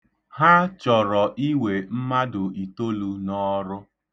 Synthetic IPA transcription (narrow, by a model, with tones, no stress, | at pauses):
ha˦t͡ʃɔ˨ɾɔ˨ʔi˦we˨m̩˦ma˦dʊ˨i˨to˦lu˨nɔ˦ɾʊ˦